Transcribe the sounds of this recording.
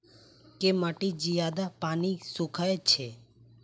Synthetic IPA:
kemaʈed͡ʒijad̪apanisũkʰaet͡ʃʰe

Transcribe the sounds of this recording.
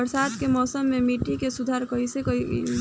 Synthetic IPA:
əɾsat̪kemɔːsəmːemiʈikesud̪ʱaɾkəɦisekəi

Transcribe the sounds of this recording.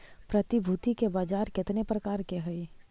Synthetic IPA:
pɾət̪ibʱuːt̪ikebaːd͡ʒaːɾkɪt̪nepɾəkaːɾkeɦʊi

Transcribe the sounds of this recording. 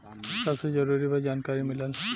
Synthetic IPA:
sasezɔɹuɹibazankaɹimilal

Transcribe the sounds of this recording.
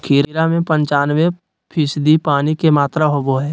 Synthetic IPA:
kʰiːɾɾamẽpə̃ɲt͡ʃaːnʋe | pʰɪsd̪ipaːnikemaːt̪ɾaɦoboɦɛː

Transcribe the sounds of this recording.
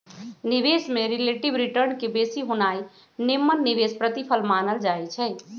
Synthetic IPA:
niʋesmeɾeleʈibɾiʈəɾnkebesiɦonaj | nemːənːiʋespɾət̪ipʰəlmanəld͡ʒaɛt͡ʃʰɛ

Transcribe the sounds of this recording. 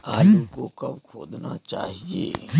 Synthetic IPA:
aːjukokɐbkʰoːd̪nat͡ʃa̰ːɦiḛː

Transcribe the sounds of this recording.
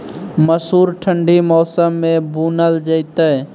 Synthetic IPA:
məsuːɾʈʰə̃ɳɖimɔːsəmːẽbuːnəld͡ʒəɪt̪ə

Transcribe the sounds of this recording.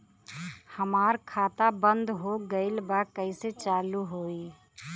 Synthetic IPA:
həmaːɾkʰaːt̪abənd̪ɦoɡəɪlbakəɪset͡ʃaːluɦoi

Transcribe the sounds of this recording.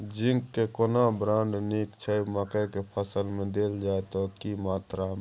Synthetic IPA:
d͡ʒĩŋɡkekonabɾãːɳɖniːkt͡ʃʰəjmakəjkepʰəsəlmẽd̪eːld͡ʒaːet̪okimaːt̪ɾam

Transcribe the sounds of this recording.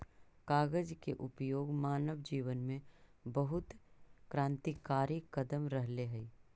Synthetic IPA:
kaːɡəd͡ʒkeʔʊpjoːɡmaːnəʋd͡ʒiːʋənmẽbɐɦʊt̪kɾãːnt̪ikaːɾikɐd̪əmɾɐɦleɦɛi

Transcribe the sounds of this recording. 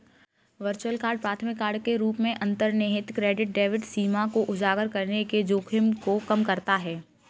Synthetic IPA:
ʋəɾt͡ʃuwəlkaːɾɖ̚pɾaːt̪ʰəmɪkːaːɾɖkeɾuːpmẽʔɐ̃nt̪əɾneɦɪt̪kɾeːɖɪʈ̚ɖeːʋɪʈsiːmakoʔʊd͡ʒaːɡəɾkɐɾneked͡ʒoːkʰɪmkokɐmkɐɾt̪aɦɛː

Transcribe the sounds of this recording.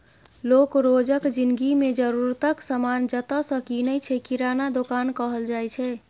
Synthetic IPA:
lokɾod͡ʒəkd͡ʒinɡimed͡ʒəɾuɾt̪əksəmand͡ʒət̪əsəkinəjt͡ʃʰɛkiɾanad̪okankəɦəld͡ʒajt͡ʃʰɛ

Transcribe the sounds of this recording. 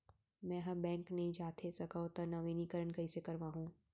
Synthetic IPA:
mɛ̃ːɦɐbɛ̃ːŋknɐɦĩd͡ʒaːt̪ʰesɐkat̪ɐnɐʋenikəɾəɳkɐɪsekɐɾʋaːɦũː

